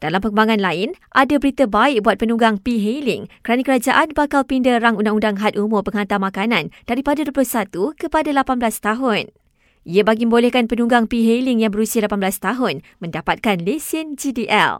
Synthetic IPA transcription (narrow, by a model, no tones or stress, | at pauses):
d̥alampəkəmbaŋãnlaɪnʔadabəɾit̪abaɪk̚buat̪̚pənũɡaŋpiɦelɪŋkəɾanakəɾad͡ʒaʔanbakalpindəraŋundaŋundaŋɦat̪ʔumʊrpəŋɦant̪amãkanãnd̥aɾipadaduəpəloʊsat̪ukəpadalapanbəlast̪aɦʊn | ʔiabaɡimə̃mbolɛhkanpənũɡaŋpiɦelɪŋjaŋbəɾusialapanbəlast̪aɦʊn | mə̃ndapat̪̚kanlesɪnd͡ʒidiʔɛ̰l